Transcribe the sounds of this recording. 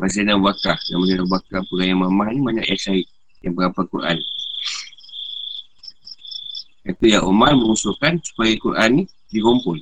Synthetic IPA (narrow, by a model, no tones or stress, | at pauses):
mas̬anabakahdamas̬enabuakahpəɡajamamaɦnibaɲa̰ʔɛksaiʔ̚ | jaŋbəɾapakuɾʔa̰n | at̪ujaʔomarməŋusuʔkansu̥pajakuɾʔa̰nːi | dikɔmpɔn